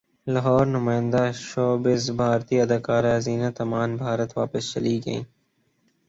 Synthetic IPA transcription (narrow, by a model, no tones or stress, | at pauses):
lɐɦɔːɾnʊmaːə̃nd̪aʃoːbɪzbʱaːɾt̪iɐd̪aːkaːɾeɦɐziːnat̪ɐmaːnbʱaːɾət̪ʋa̰ːpəst͡ʃɐ̰liɡɐḭ̃ː